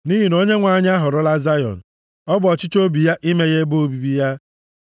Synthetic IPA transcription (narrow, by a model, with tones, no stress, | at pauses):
ni˦ɦi˨no˦ɲe˦ŋʷa˨ɲ˦a˦ɦʊ˨ɾʊ˦la˦za˦jɔ̰˨n̩˨ | ɔ˦bʊ˨ɔ˨t͡ʃɪ˦t͡ʃo˦bi˨ja˦ʔi˦me˦ɣe˦bo˦o˦bi˨bi˦ja˦